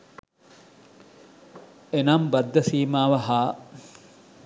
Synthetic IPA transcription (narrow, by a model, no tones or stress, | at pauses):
enambɐd̪ːɐsiːmaːʋɐɦaː